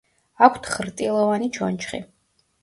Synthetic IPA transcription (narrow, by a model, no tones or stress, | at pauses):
akʷʰt̪ʰχɾt̪ʼilˠɔvanit͡ʃʰɔ̰nt͡ʃχḭ